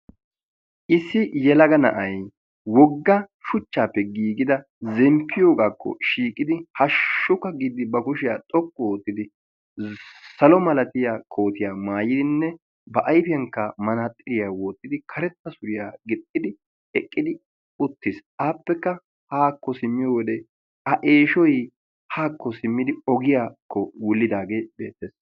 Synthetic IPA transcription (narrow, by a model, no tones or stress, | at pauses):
ʔɪsːɪjɛlɐɡɐnɐ̰ʔɐj | wɔɡːɐ | ʃʊt͡ʃːaːpːɛɡiːɡɪd̪ɐ | zɛmpʰːɪjo̞ːɡaːkʰːɔ̰ʃiːkʼːɪd̪ɪhɐʃːʊkːɐɡiːd̪ɪbɐkʊʃɪjaːt̪ʼɔkːɔwoːt̪ːɪd̪ɪ | sɐlɔmɐlɐt̪ɪjaːkʰo̞ːt̪ɪjaːmaːjɪd̪ɪnːɛ | bɐʔɐjfɪjɐŋkːɐmɐnat̪ʼːɪɾɪjaːwoːt̪ːɪd̪ɪkʰɐɾɛt̪ːɐsʊɾɪjaːɡɪt̪ʼːɪd̪ɪ | ɛkʼːɪd̪ɪ | ʊt̪ːɪsʔaːpːɛkːɐ | haːkːɔsɪmːɪjowɔd̪ɛ | ɐʔe̞ːʃɔj | haːkːɔsɪmːɪd̪ɪɔɡɪjaːkʰːɔwʊlːɪd̪aːɡe̞ːbe̞̰ːt̪ːes